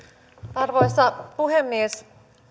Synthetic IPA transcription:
ɑrʋo̞jst̪ɑpuɦemːies

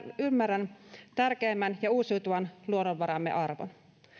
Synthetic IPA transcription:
ymːærænt̪ærk̟eːmːænjɑuːsiwt̪uʋɑnluonoʋʋɑɾɑmːeʔɑrʋo̰n

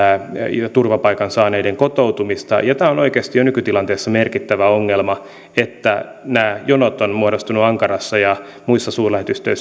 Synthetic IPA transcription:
t̪urʋɑpɑikɑnsɑːneideŋkot̪owt̪umist̪ɑ̰jɑt̪æːonoikeːst̪ijonykyt̪ilɑnt̪eːsːɑmerkit̪ːæʋæoŋːelmɑ | et̪ːænæːjonot̪onmuodost̪unuɑŋkɑrɑsːɑjɑ | muisːɑsuːrlæhet̪yst̪øis

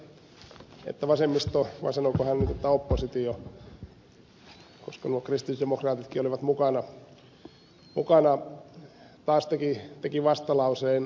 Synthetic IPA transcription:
ḛt̪ːæʋɑsemːist̪oʋɑ̰sɑnokohænnit̪ot̪ːɑopːosit̪io | koskɑnuokrist̪isdemokrɑːt̪it̪kiːoliʋɑt̪mukɑnɑ | mṵkɑnɑ | t̪ɑːst̪ekit̪ekiʋɑst̪ɑlɑuseːn

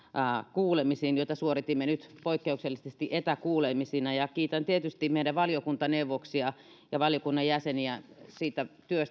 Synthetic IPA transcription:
kuːlemisiːnjoˑit̪ɑsuorit̪imːenyt̪poikːeukselːisest̪iʔet̪ækuːlemisinæjɑkiːt̪ænt̪iet̪yst̪imeˑiɾæʋɑljokunt̪ɑneuʋoksiɑ | jɑʋɑljokunːɑjjæseniæsiːt̪æt̪yøst̪

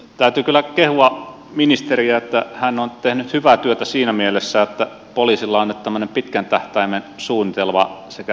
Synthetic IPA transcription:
t̪æyt̪ykylːˑækehuɑ | minist̪eriæet̪ːæhænːont̪ehnyt̪hyʋæt̪yøt̪æsiːnæmielesːæet̪ːæ | poliːsilːɑonːet̪t̪æmːønempit̪kænt̪æht̪æimensuːnit̪elmɑsekæ

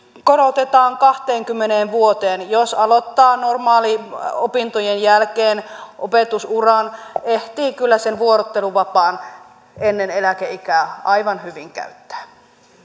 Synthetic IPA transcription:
koɾot̪et̪ɑːŋkɑht̪eːŋkymːeneːnʋuot̪eːnjosɑlot̪ːɑːnormɑːliopint̪ojenjælkeːnʔopet̪usurɑneht̪iːkylːæsenʋuoɾot̪ːeluʋɑpɑːn | enːenelækeikæːʔɑiʋɑnhyʋiŋkæ̰yt̪ːæ̥ː

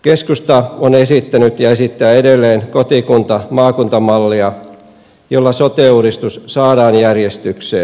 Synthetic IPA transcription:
keskust̪ɑonesit̪ːænyt̪jɑesit̪ːææːedelːeːnkot̪ikunt̪ɑmɑːkunt̪ɑmɑlːiɑ | jolːɑsot̪euɾist̪ussɑːdɑːnjærjest̪yksḛː

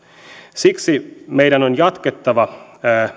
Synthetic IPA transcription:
siksimejdænonjɑt̪ket̪ːɑʋɑ

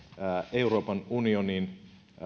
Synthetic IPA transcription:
euro̞ːpɑnunionin

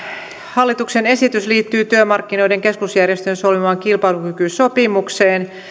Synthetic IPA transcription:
hɑlːit̪uksene̞sit̪ysliːt̪ːyːt̪yømɑrkːino̞jde̞ŋke̞skusjærjest̪ønsolʋimɑːŋkilpɑilukykyso̞pimukseːn

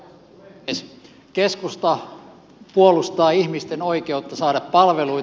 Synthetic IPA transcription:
s | keskust̪ɑ | puolust̪ɑːihmist̪enoikeut̪ːɑsɑːdɑppɑlʋelui

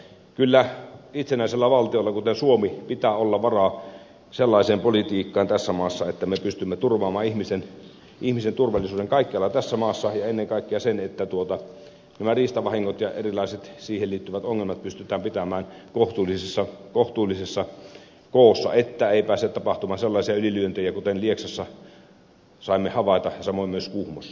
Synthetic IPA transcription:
kylːæit̪senæˑiselːæʋɑlt̪ioelːɑkut̪ensuomipit̪æːolːɑʋɑrɑ | selːɑˑiseːmpolit̪iːkːɑːnt̪æsːæmɑːsːɑet̪ːæmepyst̪ymːet̪urʋˑɑːmɑːihmisen | ʔihmisent̪urʋɑlːisuːdeŋkɑikːeɑlːɑt̪æsːæmɑːsːɑjɑenːeŋkɑˑikːeɑsenet̪ːæt̪uot̪ɑ | næmæriːst̪ɑʋɑhiŋːot̪jɑʔḛrilɑˑiset̪siːhelliːt̪ːyʋæt̪oŋːelmɑt̪̚pyst̪yt̪ˑæːmpit̪æmæːnkoht̪uːlːisesːɑkoht̪uːlːˑisesːɑ | koˑːsːɑ̰ʔet̪ːæeˑipæːset̪ɑpɑht̪umɑːnselːɑˑisiɑylilyønt̪ejækut̪enlieksɑsːɑ | sɑˑimːehɑʋɑˑit̪ɑjɑsɑmoˑimːøskuhmosːɑ

